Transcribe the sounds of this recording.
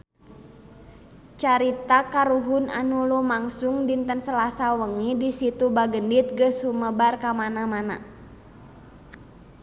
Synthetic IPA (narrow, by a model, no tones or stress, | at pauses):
t͡ʃaɾit̪akaɾuɦʊna̰nulumaŋsuŋdint̪ənsəlasawəŋidisit̪ubaɡəndit̪̚ɡəsuməbarkamanamana̰